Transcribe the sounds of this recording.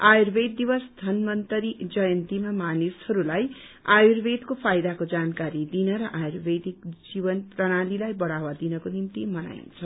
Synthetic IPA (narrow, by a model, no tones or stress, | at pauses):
ajurbed̪̚ːibʌsd̪ʱʌnmʌnt̪ʌɾid͡zʌjʌnt̪imamanishʌɾulaj | ajurbed̪kopʰajd̪akod͡zankaɾid̪inʌɾʌʔajurbed̪ik̚d͡zibʌnprʌɽ̃alilajbʌɽawad̪inʌkonimt̪imʌna̰j̰nt͡sʰʌ